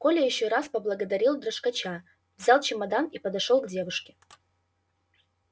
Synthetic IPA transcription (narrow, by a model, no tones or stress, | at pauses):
kolʲɛjɪɕːoɾaspɐblˠɐɡɐd̪ɐɾʲilˠd̪rɐʂkɐt͡ʃa | vzʲalˠt͡ʃɪmɐd̪anipɐd̪ɐʂolˠɡdʲevɨʂkʲɪ̥